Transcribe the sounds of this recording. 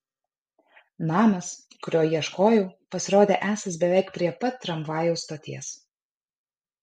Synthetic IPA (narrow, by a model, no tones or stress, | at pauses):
nɑːmɐs | kʊɾʲoːjiɛʃkoːjʊʊpɐsʲɪɾoːd̪ʲeːʔæːsʲɐs̬bʲɛʋʲɛɪkpʲɾʲiɛpɐt̪ʲːɾɐmʋɑːjɛʊst̪oːt̪ʲiɛs